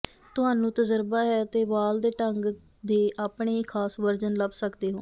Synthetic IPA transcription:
t̪ʊɦaːnũːt̪əzəɾbaːɦɛːt̪eːʋaːld̪eːʈəŋɡ | d̪eːʔaːpɳeːiːkʰaːsʋəɾd͡ʒənləbsəkd̪eːɦo̰ː

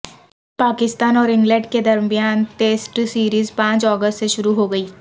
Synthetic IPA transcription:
paːkɪst̪aːnɔːɾɪ̃ŋɡlə̃ɳɖked̪ɐɾmijaːnʈeːsʈsiːɾiːzpãːt͡ʃɔːɡəsʈseʃʊɾuɦoɡɐiː

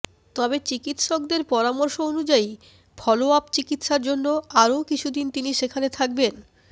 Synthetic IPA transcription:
t̪ɔbet͡ɕikit̪ʃɔk̚d̪eɾpɔɾamoɾʃoonud͡ʑai | bʱɔloapt͡ɕikit̪ʃaɾd͡ʑonːoaɾokit͡ɕʰud̪int̪iniʃekʰanet̪ʰak̚ben

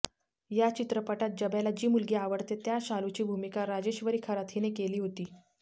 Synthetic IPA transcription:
jat͡ɕit̪ɾəpəʈat̪̚d͡ʑəbjalad͡ʑiːmulɡeːaʋəɽt̪et̪jaɕalut͡ɕiːbʱumikaɾad͡ʑeɕʋəɾiːkʰəɾat̪ʰɦinekeliːɦot̪iː

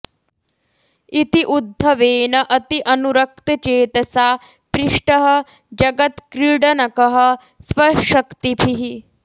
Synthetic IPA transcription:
it̪iʔud̪ʱːɐʋeːnɐʔɐt̪iʔɐnuɾɐk̚t̪ɐt͡ʃeːt̪ɐsaː | pɾiʂʈɐɦɐ̆ | d͡ʒɐɡɐt̪kɾiːɖɐnɐkɐɦɐ̆ | sʋɐʃɐkt̪ipʰiɦi

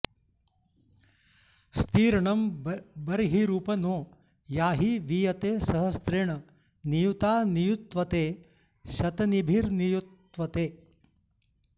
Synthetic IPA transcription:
st̪iːɾɐɳɐmbɐɾɦiɾuːpɐnoː | jaːɦiʋijɐt̪eːsɐɦɐst̪ɾeɳɐ | nijut̪aːnijut̪ʋɐt̪eː | ʃɐt̪ɐnibʱiɾnijut̪ | ʋɐt̪eː

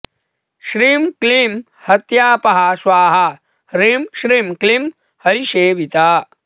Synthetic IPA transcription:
ʃɾiːmkliːm | hɐt̪jaːpɐɦaʃʋaːɦɐ | ɾiːmʃɾiːmklim | hɐɾiʃeːbit̪aː

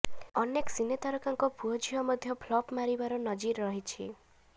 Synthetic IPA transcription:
ɔneksinet̪aɾɔkaŋkɔpuɦɔd͡ʒiɦɔmɔd̪ʱjɔpʰlɔpmaɾibaɾɔnɔd͡ʒiɾɔɦit͡ʃʰḭ

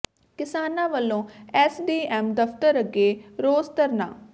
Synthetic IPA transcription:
kɪsaːnãːʋəlːõːɛːsɖiːɛːmd̪əpʰt̪əɾəɡeːɾoːzt̪əɾnã̰ː

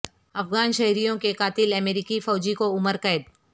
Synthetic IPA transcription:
ɐfɣaːnʃɐɦɾijõkekaːt̪ɪlɐmeːɾikifɔːd͡ʒikoʊməɾkɐːd̪

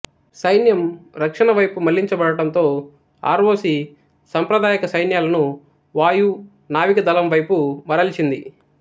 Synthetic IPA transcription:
sɐjnjɐmɾɐkʂɐnɐʋɐjpumɐlːiɲt͡ʃɐbɐɽɐʈɐnt̪o̞ː | a̰ːɾʋoːsi | sɐmpɾɐd̪aːjɐkɐsɐjnjaːlɐnu | ʋaːju | naːʋikɐd̪ɐlɐmʋɐjpumɐɾɐlit͡ʃind̪i

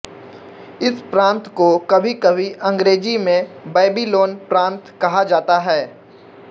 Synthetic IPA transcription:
ɪspɾãːnt̪kokɐbʱikɐbʱiʔɐ̃ŋɡɾeːd͡ʒimẽbeːbiloːnpɾãːnt̪kɐɦad͡ʒaːt̪aɦɛː

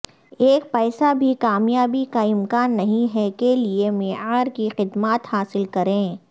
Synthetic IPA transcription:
eːk̚pɛːsabʱikaːmjaːbikaɪmkaːnːɐɦĩɦɛkeliemeːaːɾkixɪd̪maːt̪haːsɪlkɐɾẽː

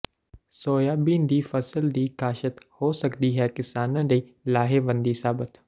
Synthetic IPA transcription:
soːjaːbĩːnd̪iːfɐsəld̪iːkaːʃət̪hosɐkd̪iɦɛːkɪsaːnə̃ɗeiːlaːɦeʋɐ̃nd̪isaːbət̪

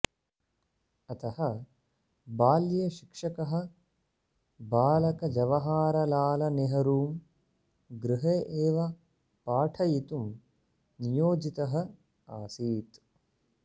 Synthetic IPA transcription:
ɐt̪ɐhɐ | baːljɐʃi̥kʂɐkɐɦɐ̆ | baːlɐkɐd͡ʒɐʋɐɦaːɾɐlaːlɐneɦɐɾuːm | ɡɾɪɦeːʔeːʋɐ | paːʈʰɐjit̪um | nijoːd͡ʒit̪ɐɦɐ | a̰ːsiːt̪

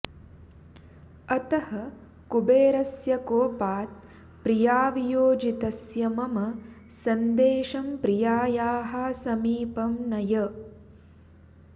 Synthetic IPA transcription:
ɐt̪ɐhɐ | kubeːɾɐsjɐkoːpaːt̪̚ | pɾijaːʋijoːd͡ʒit̪ɐsjɐmɐmɐ | sɐnd̪eːʃɐmpɾijaːjaːɦasɐmiːpɐmnɐjɐ

